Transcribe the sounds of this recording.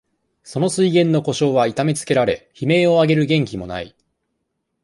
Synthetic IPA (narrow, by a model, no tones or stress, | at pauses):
so̞no̞sɨiɡẽ̞nːo̞ko̞ɕo̞ːβait̪ame̞t͡sɨ̥ke̞ɾaɾe̞̰çime̞ːo̞aɡe̞ɾɯ̟ɡẽ̞ŋkʲimo̞na̰i